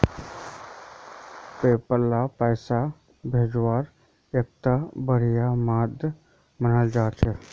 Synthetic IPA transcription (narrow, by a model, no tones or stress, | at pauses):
peːpəɾlapɛːsa | bʱeːd͡ʒwaːɾ | ek̚t̪abəɾijamaːd̪ | mənad͡ʒaːt͡ʃʰe